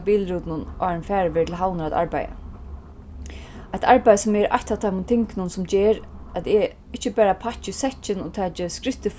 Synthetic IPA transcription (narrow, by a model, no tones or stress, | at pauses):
biːlɾuːt̪nʊnʔɑ̰ːɹɪnfæːɹəʋeːtʰɪlɦawnəɾat̪a̰ɹba̰ja̰ | ajt̪ʰaɹbajsʊmɛɾʔa̰jçt̪awt̪ʰaɪmʊnt̪ʰɪŋknʊnsʊmd͡ʒeːɹat̪ɪ | ɪt͡ʃːəbæːɾapʰat͡ʃɪsɛt͡ʃɪnʊt̪ʰɛːt͡ʃɪskɾɪht̪əf